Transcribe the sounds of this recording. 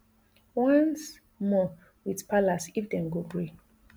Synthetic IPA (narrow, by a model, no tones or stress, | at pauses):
wãns | mɔ | widpalasifdɛ̃mɡobɹe